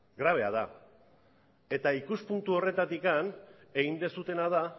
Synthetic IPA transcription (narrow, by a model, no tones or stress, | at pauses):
ɡɾaβ̞e̞aða | e̞t̪aikuspunt̪uo̞re̞t̪at̪ikan | e̞ɣind̪e̞sut̪e̞naða